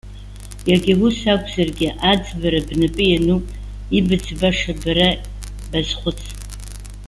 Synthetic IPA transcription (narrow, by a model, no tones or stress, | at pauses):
jaɡʲɪwusakʷʰʼzarɡʲɪʔad͡zbaɾabnɨpʼɨjanu | ibɨd͡zbaʂabaɾa | bazχʷʊt͡sʰʼ